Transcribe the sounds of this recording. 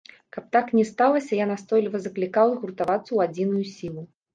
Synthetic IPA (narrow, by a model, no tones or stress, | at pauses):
kɐp̚t̪aknʲɛst̪alˠɐsʲɐjanast̪ɔjlʲivɐzɐklʲikawɣurt̪avat̪sːɐwad͡zʲin̪ujusʲilˠu